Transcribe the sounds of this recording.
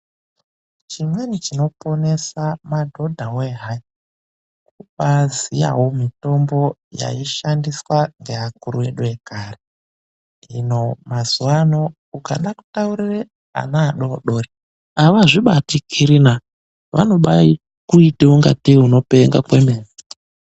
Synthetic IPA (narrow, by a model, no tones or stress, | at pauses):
t͡ʃimwe̞nit͡ʃino̞po̞ne̞samadʱo̞dʱaweɦa | kuɓazija̰womito̞mbo̞ja̰iʃandiswaŋɡeɦakuruwe̞ɗuekare | ino̞mazuwano̞ | ukaɗaku̥taurire | a̰naːɗoɗo̞ri | aʋaʐiɓatikʰiɾina | ʋano̞ɓai | kuitiuŋɡatiuno̞peŋɡakwemeːzi